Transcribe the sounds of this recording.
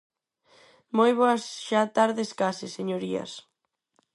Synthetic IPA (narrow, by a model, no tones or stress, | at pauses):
mojβoɐsʃat̪aɾðeskasɪseɲoɾiɐ̰s